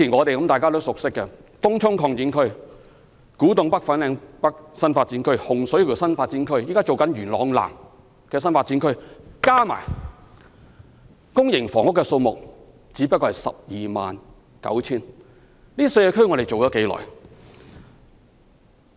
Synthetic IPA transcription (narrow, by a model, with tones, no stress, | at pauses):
iː˨˩nŋɔː˨˧e˨jkɐ˨˥mt̪aː˨jkaː˥t̪o˥wsʊ˨k̚sɪ˥kːɛ˧t̪ʊ˥ŋt͡sʰʊ˥ŋkʰɔː˧ŋt͡siː˨˥nkʰɵ˥ɥ | kuː˨˥t̪ʊ˨ŋpɐ˥k̚fɐ˨˥nlɛː˨˧ŋpɐ˥k̚sɐ˥nfaː˧t̚t͡siː˨˥nkʰɵ˥ɥhʊ˨ŋsɵ˨˥ɥjʰi˨˩sɐ˥nfaː˧t̚t͡siː˨˥nkʰɵ˥ɥjiː˨˥kaː˥t͡so˨wkɐ˨˥nɥyː˨˩nlɔː˨˧ŋla̰ː˨˩ŋ | kɛː˧s̬ɐ˥nfaː˧tt͡siː˨˥nkʰɵ˥ɥkaː˥ma̰ː˨˩j | kʊ˥ŋjɪ˨˩ŋfɔː˨˩ŋʊ˥kːɛ˧so˧wmʊ˨k̚ | t͡siː˨˥pɐ˥kːɔː˧hɐ˨˩jsɐ̰˨p̚jiː˨ma̰ː˨n | kɐ̰˨˥wt͡sʰiː˥n | liː˥sɵ˧jɛː˧kʰɵ˥ɥŋɔ˨˧ɾe˨jt͡so˨wjɔː˨˥ke˨˧˥jlɔ̰ː˨˩j